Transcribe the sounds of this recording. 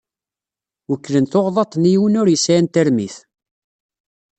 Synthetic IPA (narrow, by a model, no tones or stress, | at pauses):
wəkːlənθoʁðˤɑt̪ˤːnijwənʊɾjəsænt̪æɾmiθ